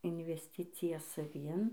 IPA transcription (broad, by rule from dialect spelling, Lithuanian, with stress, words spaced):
ɪnʲʋʲɛsʲˈtʲɪt͡sʲɪjɛ sɐˈʋʲɪn